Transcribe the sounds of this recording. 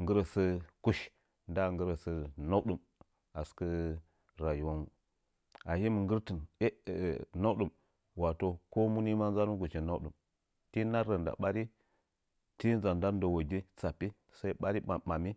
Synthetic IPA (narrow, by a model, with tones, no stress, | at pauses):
ŋɡə˦ɾə˨sə˦ku˦ʃ | nda˦˨ŋɡə˦ɾə˨sə˦na˦wɗu˨m | a˨skə˦ | ɾa˨ju˨wa˦nu˨ | a˨hi˦m˨ŋɡə˦ɾtɨ˨ne˦˨na˦wɗu˨m | wa˨to˦ko˦mu˦ni˦ma˦nza˦nu˦ɡu˨t͡ʃi˨na˦wɗu˨m | ti˦na˦ɾə˨nda̰˨ɓa˦ɾi˦ | ti˦n˦za˨nda˦n˦do˨wo˨ɡi˦t͡sa˨pi˦ | sa˦i˦ɓa˦ɾi˦a˨ma˨mi˦